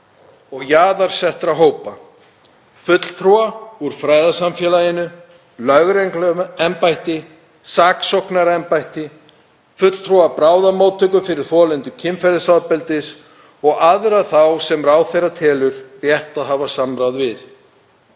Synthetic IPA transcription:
ɔɣjaːðaɾ̥sɛht̪ɾaɦoːwpa | fʏt̪l̥t̪ʰɾuauɾ̥fɾaːjðasamfjɛːlajɪnʏ | lœɣɾejŋklɛmpajht̪ɪ | saːksɔwhknaɾɛmpajht̪ɪ | fʏt̪l̥t̪ʰɾuapɾaːwðamoːwt̪ʰœkʏfɪɾɪɾ̥θɔːlɛnt̪ʏcʰɪmfɛɾðɪsaðpɛlt̪ɪs | ɔɣaðʏɾaðθawsɛmraːwθejrat̪ʰɛːlʏɾrjɛht̪aðɦaːvasamɾawðvɪð

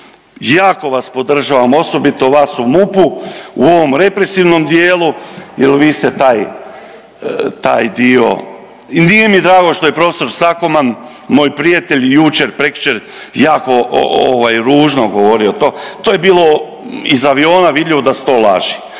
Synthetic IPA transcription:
jaːko̞ʋaspo̞d̪r̩ʒaʋamo̞so̞bit̪o̞ʋaːsumupuṵo̞ʋo̞mɾe̞pɾe̞siʋno̞md̪jeːlujelʋiːst̪e̞t̪aːj | t̪a̰ːjd̪io̞̰ | inijemid̪ɾaːɡo̞ʃt̪o̞je̞pɾo̞feso̞ɾsako̞man | mo̞ːjpɾijat̪e̞ʎʲjut͡ʃeɾpɾekt͡ʃeɾ | jaːko̞o̰ʋajɾuːʒnoɡo̞ʋo̞ɾio̞t̪oːt̪oje̞biːlˠo̞ | izaʋio̞ːnaʋid̪ʎiʋod̪ase̥t̪o̞ːla̰ʒi

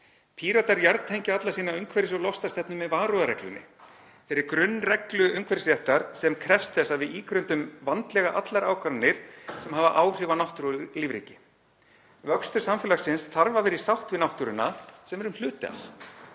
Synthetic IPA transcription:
pʰiːɾat̪aɾjaɾðt̪ʰejɲcɪat̪lasiːnaʏŋkʰvɛɾɪsɔlɔfst̪ast̪ɛpnʏmːɛðvaːɾɔðaɾɛklʏ̰nːɪ̰ | fɪɾɪɾkɾʏnːrɛklʏʏŋkʰvɛɾɪsjɛht̪aɾ̥sɛmkʰɾɛfst̪θɛsːavɪðiːkɾʏnt̪ʏmvant̪lɛɣaʔat̪laɾaːwkʰvaɾnːɪɾ̥sɛmhaːvaʔaːwr̥ɪːvanɔht̪uɾliːvɾḭːcɪ | vœkst̪ʏ̥samfɪlasɪnsθaɾvavɛːɾɪ̥sawht̪vɪðnawht̪uɾʏnːasɛmvɛɾʏmhlʏːt̪ɪa̰l

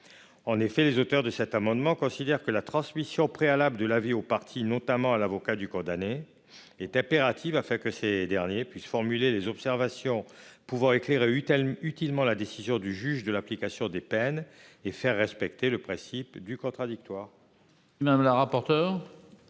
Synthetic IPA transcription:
ɑ̃nefɛlezot̪œʁd̪əsɛt̪amɑ̃d̪mɑ̃kɔ̃sid̪ɛʁkəlat̪χɑ̃smisjɔ̃pχealabləd̪əlaviopaʁt̪ʰinɔ̃t̪amɑ̃alavɔkad̪ykɔ̃d̪ane | ɛt̪ɛ̃peʁat̪ʰivafɛ̃kəsed̪ɛʁnjepɥisfɔʁmylelezɔpsɛʁvasjɔ̃puvɑ̃ekleʁeyt̪ilmɑ̃lad̪esizjɔ̃d̪yʒyʒd̪əlaplikasjɔ̃d̪epɛnefɛʁːɛspɛkt̪eləpχɛ̃sipd̪ykɔ̃t̪χad̪ik̚t̪waːʁ | mad̪amləʁapɔʁt̪œːʁ

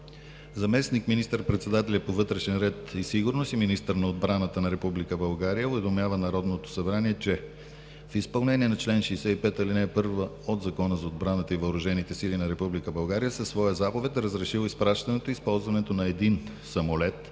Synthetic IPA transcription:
zɐmɛsnikminist̪əɾpɾɛt̪sɛd̪at̪ɛlʲɛpovɤt̪ɾɛʃɛnɾɛt̪isiɡʊɾnosiminist̪əɾnɐod̪bɾanət̪ənɐɾɛpublikəbɐlˠɡaɾijəovɛd̪omjavənɐɾɔd̪not̪o̥sɐbɾaniɛt͡ʃɛ | fispɐlˠnɛniɛnɐt͡ʃlɛnʃɛːsɛipɛt̪ɐlinɛpɤɾvə | od̪zɐkɔnəzɐod̪̚bɾanət̪əivəʊɾʊʒɛnit̪ɛsilinɐɾɛpublikəbɐlˠɡaɾijəsɛsvɔjəzapovɛt̪ɾəzɾɛʃilˠispɾaʃt̪ɐnɛt̪oispɔlˠzvɐnɛt̪onɐɛd̪in | sɐmolɛt̪

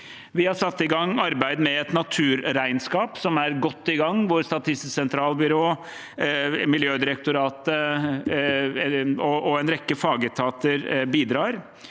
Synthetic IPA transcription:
ʋɪhɑɾʂɑt̪ːɪɡɑŋːɑɾbæɪd̪mɛɛt̪nɑt̪ʰʉːɾɾæɪnskɑːpsɔmæɾɡɔt̪ːɪɡɑŋːʋʊɾst̪ɑt̪ʰɪst̪sɛnt̪ʰɾɑːlbʏɾoː | mɪljøːd̪ɪɾək̚t̪ʊɾɑːt̪ə | ɔʔɔɛnɾɛkːəfɑːɡət̪ʰɑːt̪əɾbiːd̪ɾɑːɾ

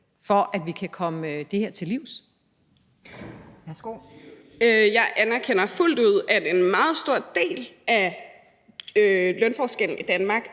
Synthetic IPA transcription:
fɒ̽ʔæd̥ʋikʰækʰɒ̽məd̥e̝heɐ̰t͡sʰe̝liʊ̰s | sɡ̥o | øjɑ̈ɪʔænæɐkʰen̰ɐful̰d̥uð̞̰ˠæd̥e̝nmɑ̈ːð̞̩ˠsd̥o̝ɐ̰d̥e̝̰ːlʔæ | ølœnfɒːsɡ̥en̰n̩id̥ænmɑ̈ːɡ̥

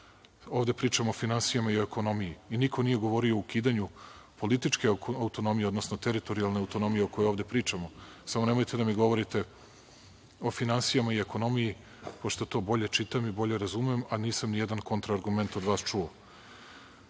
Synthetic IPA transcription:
o̞ːvd̪e̞pɾiːt͡ʃamoofinansijamaioeko̞no̞mijiinikʰo̞nije̞ɡo̞ʋo̞ɾio̞ukiːd̪aɲupo̞lit̪it͡ʃke̞aut̪o̞no̞mijeod̪no̞sno̞t̪eɾit̪o̞ɾialˠne̞awt̪o̞no̞mijeoko̞jooʋd̪e̞pɾiːt͡ʃamo̞ | samone̞mo̞jt̪e̞d̪amiɡo̞ʋo̞ɾit̪e̞ | o̞finansijamaioeko̞no̞miji | po̞ʃt̪ot̪o̞ːbo̞ʎe̞t͡ʃit̪amibo̞ʎe̞ɾazumiemaniːsamnijed̪anko̞nt̪ɾaːɾɡume̞nt̪o̞d̪ʋaːst͡ʃuo

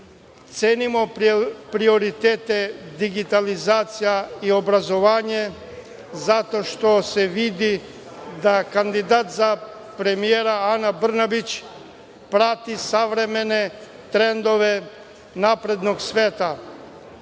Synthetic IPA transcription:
t̪seːnimo̞pɾio̞ɾit̪eːt̪ed̪iɡit̪alizaːt̪sijaio̞bɾazo̞ʋaːɲe | zat̪o̞ʃt̪o̞seʋid̪i | d̪akand̪id̪aːt̪za | pɾe̞mijeɾaanabr̩nabit͡ɕ | pɾat̪isaʋɾemene | t̪ɾend̪o̞ʋe | napɾe̞d̪noɡsʋeːt̪a

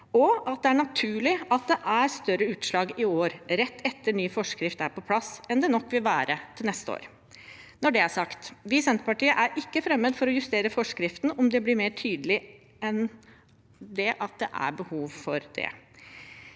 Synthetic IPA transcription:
ɔɑt̪̚d̪ɛæɳɑt̪ʰʉːɭɪɑt̪̚d̪ɛʔæɾst̪œɾəʉːt̪ʂlɑːɡɪoːɾɾɛt̪ːɛt̪ːəɳyːfɔʂkɾɪft̪æɾpɔpʰlɑsɛnd̪ɛnɔkːʋɪlʋæːɾət̪ʰɪlnɛst̪əo̰ːɾ | nɔɖɛæʂɑkt̪ʋɪsɛnt̪əpɑʈiːəʔæɾʔɪkːəfɾɛmːəd̪fɔɾɔjʉst̪eːɾəfɔʂkɾɪft̪nɔmd̪ɛblɪɾmeːʈʰyːd̪əlɪ | ɛn | d̪ɛʔɑt̪̚d̪ɛʔæ̰ɾbəhuːʋfɔɾd̪ɛ̰

